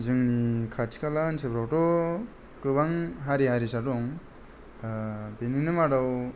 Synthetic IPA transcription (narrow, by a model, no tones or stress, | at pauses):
zɯŋnikʰatʰi̥kalansebɾawtɔ | kɯbaŋɦaɾiɦaɾisadɔŋ | beninɯmadaw